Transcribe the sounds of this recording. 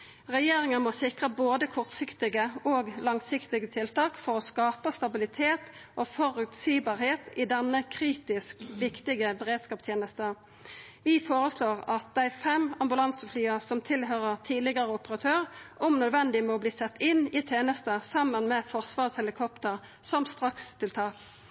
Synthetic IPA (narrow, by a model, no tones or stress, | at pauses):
ʁɛjeːʁɪŋəmɔsɪkʁəboːd̪əkʰɔʁt̪sɪkt̪ɪɡəoːɡlɑŋsɪkt̪ɪɡət̪ʰɪlt̪ɑːkfɔʁɔskɑːpəst̪ɑbɪlɪt̪ʰeːt̪ʔofɔʁʉt̪siːbɑːʁheːt̪ɪd̪ɛnːəkʰʁiːt̪ɪskʋɪkt̪ɪɡəbəʁeːd̪skɑːpst̪ʰjeːnəst̪ə | ʋɪfoːʁəsloːʁɑt̪̚d̪æɪfɛmɑmbʉlɑnsəflyːəsɔmt̪ʰɪlɦøːʁəʁt̪ʰiːlɪɡəʁəʊpəʁɑt̪ʰøːʁʊmnœd̪ʋɛnd̪ɪmɛɔːbliːsɛt̪ːɪnɪt̪ʰeːnəst̪əsɑmːənmɛfɔʁsʋɑːʁshɛlɪkʰɔpt̪əʁ | sɔmst̪ʁɑkst̪ʰɪlt̪ʰɑːk